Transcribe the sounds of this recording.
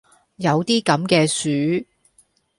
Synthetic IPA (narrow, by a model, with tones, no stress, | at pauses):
jɐ˨˧wt̪iː˥kɐ˨˥mkɛː˧syː˨˥